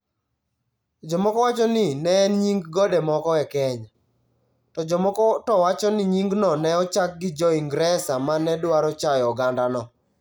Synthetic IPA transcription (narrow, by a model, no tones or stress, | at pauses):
d͡ʒɔmɔkɔwat͡ʃɔnɪnɛnɲiŋɡɡɔdɛmɔkɔɛkɛɲa | tɔd͡ʒɔmɔkɔtɔwat͡ʃɔnɪɲiŋɡnɔnɛɔt͡ʃak̚ɡɪd͡ʒɔiŋɡɾɛsamanɛdwaɾɔt͡ʃajɔɡandanɔ